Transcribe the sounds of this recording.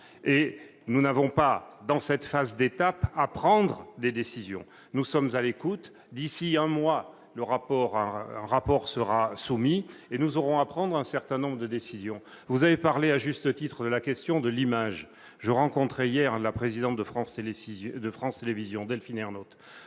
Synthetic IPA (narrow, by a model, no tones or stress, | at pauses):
enunavɔ̃pad̪ɑ̃sɛt̪fazd̪et̪apapχɑ̃d̪ʁəd̪ed̪esizjɔ̰̃ | nusɔmzalekut̪ | d̪isiɛ̃mwa | ləʁapɔʁɛ̰̃ɛ̰̃ʁapɔʁsəʁasumienuzɔʁɔ̃apχɑ̃d̪ʁɛ̃sɛʁt̪ɛ̃nɔ̃bʁəd̪əd̪esizjɔ̃ | vuzavepaʁleaʒyst̪ət̪it̪χəd̪əlakʲɛst̪jɔ̃d̪əlimaʒ | ʒəʁɑ̃kɔ̃t̪χeijɛʁlapχezid̪ɑ̃t̪̚d̪əfχɑ̃sd̪əfχɑ̃st̪elevizjɔ̃d̪ɛlfinɛʁnot̪